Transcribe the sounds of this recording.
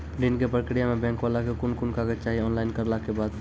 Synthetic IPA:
ɖinkepɾəkɾijamebɛ̃ŋkbalakekunkunkaɡet͡ʃaɦiɔnlaɪnkəɾlakebad̪

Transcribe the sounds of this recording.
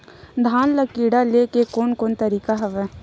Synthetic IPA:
d̪ʱaːnləkiːɽaleːkekoːnkoːnt̪ɐɾiːkaɦɐʋɛː

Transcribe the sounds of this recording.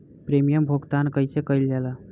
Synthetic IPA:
pɾemijəmbʱoɡt̪ankəjsekəjld͡ʒɛlə

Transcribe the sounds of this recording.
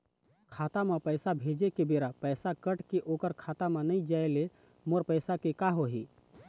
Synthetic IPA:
kʰat̪amepəjsabʱed͡ʒekebeɾapəjsakəʈkeʔokəɾkʰat̪amenəĩd͡ʒaele | moɾpəjsakekaɦoɦi

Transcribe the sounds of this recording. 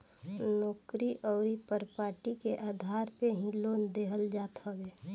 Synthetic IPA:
nɔːkɾiʔʔɔːɾipəɾpaːʈikeʔaːd̪ʱaːɾpeɦĩloːnd̪eːɦəld͡ʒaːt̪ɦɔɡeː

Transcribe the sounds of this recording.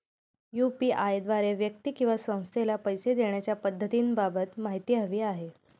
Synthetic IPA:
jupiːʔajd̪ʋaɾeʋjək̚t̪iːkĩw̃ʋasə̃w̃st̪ʰelapəjsed̪eɳjat͡ɕjapəd̪ʱːət̪iːnbabət̪maɦit̪iːɦəʋiːaɦe

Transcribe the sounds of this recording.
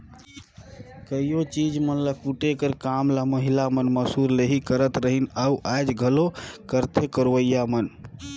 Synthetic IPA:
kəijot͡ʃid͡ʒmənlakuʈekəɾkamlaməɦilamənməsuɾleɦikəɾət̪ɾəɦinauʔajd͡ʒɡʱəlokəɾt̪ʰekəɾʋəjamən

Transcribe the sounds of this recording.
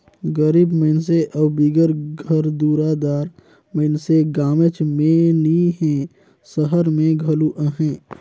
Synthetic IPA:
ɡəɾibməɪns̬eʔəbbiɡəɾɡʱəɾd̪uːɾad̪aːɾ | məɪnseɡaːmət͡ʃmẽliɦɛ̃ | səɦəɾmẽɡʱəluʔəɦɛ̃ː

